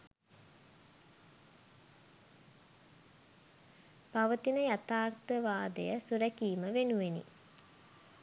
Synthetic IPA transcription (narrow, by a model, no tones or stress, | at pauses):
baʋət̪inəjat̪aːrt̪əʋaːd̪əjəsuɾɛkiːməʋenuʋenḭ